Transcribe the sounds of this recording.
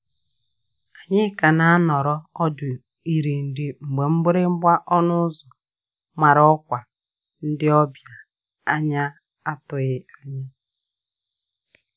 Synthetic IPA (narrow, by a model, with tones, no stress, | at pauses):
a˨ɲɪ˦ka˨na˨a˦nɔ˨ɾɔ˦ɔ˦dʊ˨ | i˨ɾe˨n̩˨dɪ˦ŋ͡m̩˨ɡ͡be˨ŋ͡m̩˦ɡ͡be˦ɾɪ˦ŋ͡m̩˦ɡ͡ba˦ʔɔ˦nʊ˦zɔ˨ | ma˨ɾɔ˦kʷa˨ | n̩˦dɪ˦ɔ˦bja˨ | a˦ɲa˦ | a˦tʊ˨ɣɪ˦a˦ɲɪ˦